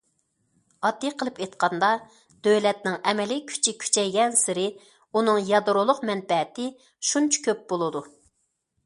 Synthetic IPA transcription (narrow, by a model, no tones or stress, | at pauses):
ɑd̪ːijqʰəlˠɨpet̪qʰɑnd̪ɑ | d̪̥øwlɛt̪̚nɪŋɛmɛlikʲʰy̥t͡ʃʰikʲʰy̥t͡ʃʰɛjɡʲɛnsɪɾɪ | unɨŋjɑd̪ɾolˠʊqmɛnbɛɦɛt̪ɪ | ʃunt͡ʃʰɑ̥kʲʰøp̚bolˠɨd̪u